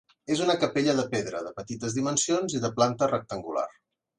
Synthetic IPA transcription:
ezunəkəpeʎəðəpeðɾə̰ðəpət̪it̪əzðimənsionziðəplant̪ərək̚t̪əŋɡula̰r

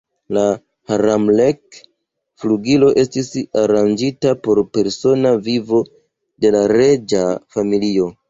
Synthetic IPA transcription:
la | haɾamlek | fluɡilo̞ʔe̞stisaɾand͡ʒitapo̞ɾpe̞ɾso̞navivo̞ | de̞laɾe̞d͡ʒafamilio̞

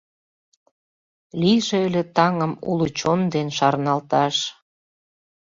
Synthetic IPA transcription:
liʒeelʲet̪ɑŋəmṵlut͡ɕond̪enʃɑrnɑlt̪ɑʃ

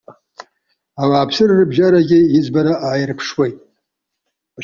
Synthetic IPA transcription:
awaːpʰsɨrːɨbʒaɾaɡʲɪjɪd͡zbaɾaʔaːjɪrpʰʂwejtʼ

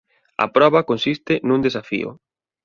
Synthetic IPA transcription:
ɐ̰pɾɔβɐkonsist̪ɪnũnd̪esafḭʊ̰

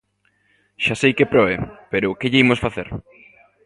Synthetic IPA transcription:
ʃasejkepɾɔepeɾʊkeʎeimosfaθeɾ

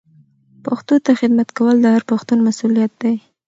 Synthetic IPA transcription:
paxt̪ot̪axɪd̪mat̪kawəld̪əhaɾpaxt̪unmasulijat̪̚d̪aj

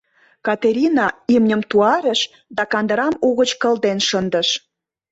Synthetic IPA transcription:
kɑt̪eɾʲinɑimnʲəmt̪uɑɾə̆ʃ | d̪ɑkɑnd̪əɾɑmuɣət͡ɕkə̆ld̪enʃənd̪ə̆ʃ

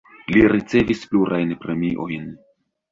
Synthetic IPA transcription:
liɾit͡se̞vispluɾʔajnpɾemiʔojn

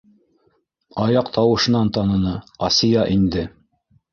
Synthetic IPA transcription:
ɑjɑqt̪ʰɑwɤ̆ʃɤ̆nɑnt̪ɑnɤ̆nɤɑsʲijɑʔind̪ɘ

